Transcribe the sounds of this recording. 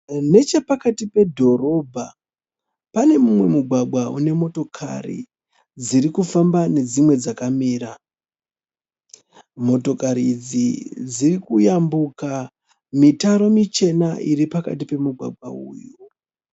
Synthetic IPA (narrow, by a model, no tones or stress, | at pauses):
ne̞t͡ʃe̞pakatipe̞dʱo̞ɾo̞bʱa | pane̞mumwe̞muɡʱwaɡwaune̞mo̞to̞kʰa̰rḭ | d͡ziɾikufambane̞d͡zimwe̞d͡zakamiːɾa | mo̞to̞kaɾid͡zid͡zirikujambuka | mitaɾo̞mit͡ʃe̞naʔiɾipaka̰tipe̞muɡʱwa̰ɡ͡bʱwa̰ṵːju